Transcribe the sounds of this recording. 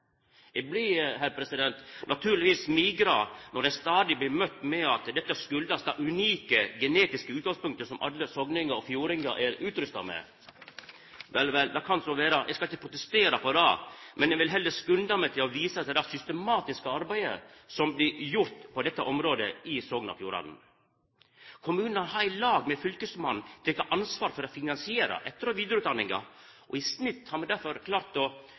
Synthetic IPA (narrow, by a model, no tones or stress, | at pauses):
ɛblɪɦæɾpʰɾɛsɪd̪ɛnt̪nʔɑt̪ʰʉːɾlɪʋiːsmiːɡɾɑnɔɾd̪ɛnst̪ɑːd̪ɪblɪmœt̪ːmɛɑt̪d̪ɛt̪ːəskʉld̪ɑst̪ɑːʉniːkəɡɛneːt̪ɪskəʉːt̪ɡɑŋspʉŋkt̪əɾsɔmʔɑ̰lːəsɔɡnɪŋɑɾɔfjuːɾɪŋə̰ɾʔæɾʉːt̪ɾʉst̪ɑ̰mɛ̰ | ʋɛlʋɛld̪ɑkʰɑnsɔʋeːɾəʔɛ̰skɑlɪçːəpʰɾʊt̪ɛst̪eːɾɑpʰɔd̪ɑːmʔɛnɛʋɪlɦɛlːəskɾʉnd̪ɑmɛt̪ʰɪlɔʋiːsəɑt̪̚d̪ɛd̪æːɾsʏst̪əmɑːt̪ɪskəɑɾbæɪə̰sɔmblɪjʊɾt̪pʰɔd̪ɛt̪ːəʔɔmɾoːd̪əɪsɔɡnɑ̰fjuːɾɑ̰nn̩ | kʰʊmʉːnɑnhɑɾæɪlɑːɡmɛfʏlkəsmɑnt̪ʰɪk̪ʰːɑʔɑnsʋɑːɾfɔɾɔfɪnɑnsɪeːɾɑ̰ʔɛt̪ːəɾɔʋiːd̪jɾʊʉt̪d̪ɑnːɪŋɑ̰ | ʔɔɪsnɪt̪ːhɑɾmɛd̪æɾfɔɾkʰlɑːɾt̪ɔ